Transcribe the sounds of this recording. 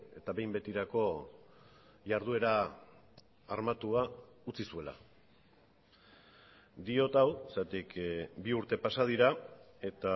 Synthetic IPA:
e̞t̪aβe̞jmbe̞t̪iɾako̞ | ʝaɾð̞ue̞ɾa | ɾmat̪uaut͡sisue̞la̰ | d̪io̞t̪awsat̪ikbiuɾt̪e̞pasað̞iɾa | e̞t̪a

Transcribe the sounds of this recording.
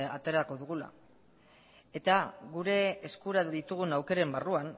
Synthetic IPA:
a̰t̪e̞ɾako̞ðuɣ̞ula̰ | e̞t̪aɣuɾe̞ːskuɾaðit̪uɣ̞unawke̞ɾe̞mbaruan

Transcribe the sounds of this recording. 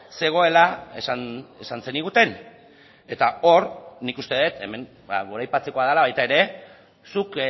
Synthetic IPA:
se̞ɣ̞o̞e̞laesane̞sanse̞niɣ̞ut̪e̞n | e̞t̪ao̞ɾnikust̪e̞ðet̪e̞̰me̞n | baɡoɾajpat͡se̞ko̞aðalaβajt̪ae̞ɾe̞ | suk

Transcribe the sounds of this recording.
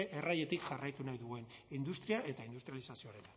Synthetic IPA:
eʔeraje̞t̪ikʝarajt̪unajðuɣe̞nind̪ust̪ɾiaʔe̞t̪aind̪ust̪ɾijalisasioɾet̪ḁ

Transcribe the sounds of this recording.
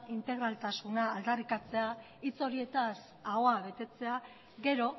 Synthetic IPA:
int̪e̞ɣɾalt̪asunaːld̪arikat͡se̞a | it͡so̞ɾie̞t̪as | ao̞aβe̞t̪e̞t͡se̞a | ɣe̞ɾo̞

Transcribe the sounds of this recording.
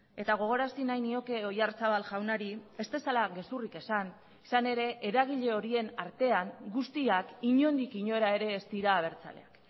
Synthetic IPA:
e̞t̪aɣ̞o̞ɣ̞o̞ɾasinajnio̞ke̞o̞jart͡saβalʝawnaɾie̞st̪e̞salaɣe̞surike̞san | isane̞ɾe̞ʔeɾaɣ̞iʎe̞o̞ɾie̞naɾt̪e̞aŋɡust̪iakiɲo̞nd̪ikiɲo̞eɾae̞ɾe̞ːst̪iɾaːβ̞e̞ɾt͡sa̰le̞̰ak

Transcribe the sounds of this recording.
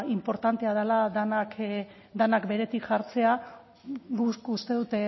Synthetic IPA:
impo̞ɾt̪ant̪e̞að̞elaðanak | d̪anakbe̞ɾe̞t̪ikʝaɾt͡se̞a | ɡukust̪e̞ðut̪e

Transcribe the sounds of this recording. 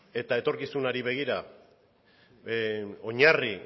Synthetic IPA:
e̞t̪ae̞t̪o̞ɾkisunaɾiβe̞ɣ̞iɾa | o̞ɲari

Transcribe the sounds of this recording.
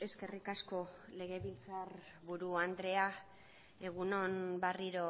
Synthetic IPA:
e̞ske̞rikasko̞le̞ɣe̞βilt͡saɾ | βuɾuand̪ɾe̞a | e̞ɣ̞uno̞nbariɾo̞

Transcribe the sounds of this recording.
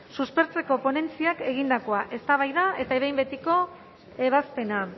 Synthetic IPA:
suspe̞ɾt͡se̞ko̞po̞ne̞nt͡siake̞ɣind̪ako̞aʔe̞st̪aβajðae̞t̪aeβejmbe̞t̪iko̞ | e̞β̞aspe̞na

